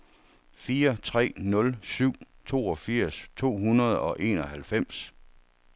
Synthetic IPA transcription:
fiːɐt͡sʰʁɛ̰ːnɔ̽lsyʊ̰ | t͡sʰo̝̰ːɒ̽fiɐ̰st͡sʰo̝̰ːɦunɐð̞ˠɒ̽ʔe̝ːnɒ̽hælfem̰s

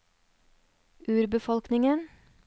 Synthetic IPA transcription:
ʔʉːɾbəfɔlknɪŋən

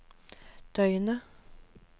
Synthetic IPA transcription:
d̪̥ʰœʏənə

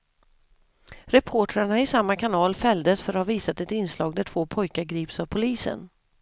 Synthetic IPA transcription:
ɾɛpʰoːʈɾaɳaɪsamːakʰanɑːlfɛld̪əsfœɾhaɾviːsat̪ɛt̪ɪnːslɑːɡd̪æʈʰv̥oːpʰɔjkaɾɡɾiːpsavpʰʊliːsə̰n

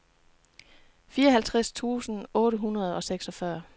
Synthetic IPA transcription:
fiːɐɒɦælt͡sʰʁast͡sʰṵːsn̩ɔ̽ːɾəɦunʁɐð̞̩ˠɒ̽seɡ̥sɒ̽fɶɐ

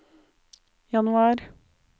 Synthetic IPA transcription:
jɑnʉɑːɾ

